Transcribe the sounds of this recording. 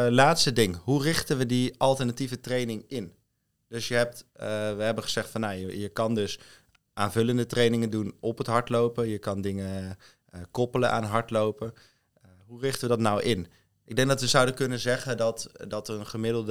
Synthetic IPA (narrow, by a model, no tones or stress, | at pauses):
laːtstədɪŋɦurɪχtənʋədiɑlˠtəɹnativətrejnɪŋɪn | d̥ɵsjəɦɛp̚tʋəɦɛbənχəz̥ɛχtfɑnːajəjəkɑndɵs | ʔaːnvɵləndətrejnɪŋəndunɔpətɦɑɹtlowpəjəkɑndɪŋə | kɔpələnʔa̰ːnɦɑɹtlowpə | ɦurɪχtəʋədɑtnawʔɪn | ʔɪɡ̚dɛŋɡ̚dɑtʋəzʌwdəkɵnənzɛχədɑtdɑtənχəmɪdlˠd